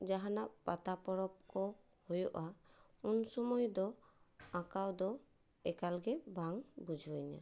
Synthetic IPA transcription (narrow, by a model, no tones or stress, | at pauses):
d͡ʒaɦanaʔpat̪apɔɾɔp̚kɔ | hɔjɔʔa | unsɔmɔjd̪ɔakawd̪ɔ | ɛkalɡɛbaŋbud͡ʒʱɔjna̰